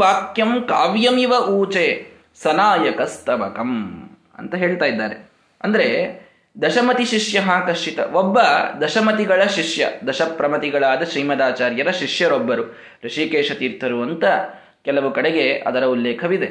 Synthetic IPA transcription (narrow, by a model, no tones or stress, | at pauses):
ʋaːkjɐmkaːʋjɐmiʋɐʔuːt͡ʃeː | sɐnaːjɐkɐst̪ʰɐʋɐkɐm | ɐ̰nt̪ɐɦeːɭt̪aːjid̪ːaːɾe | ɐnd̪ɐɾe̞ | d̪ɐʃɐmɐt̪iʃiʂjɐɦaːkɐʂt͡ʃit̪ɐ̰ʔobːɐd̪ɐʃɐmɐt̪iɡɐɭɐʃiʃjɐ̰d̪ɐʃɐpɾɐmɐt̪iɡɐɭaːd̪ɐʃɾiːmɐd̪aːt͡ʃaːɾjɐɾɐʃiʂjɐɾobːɐɾu | ɾɐʂiːkeːʂɐt̪iːɾt̪ʰɐɾuɐnt̪ɐ | kɛlɐʋukɐɽeɡe̞ɐ̰d̪ɐɾɐulːeːkʰɐʋid̪e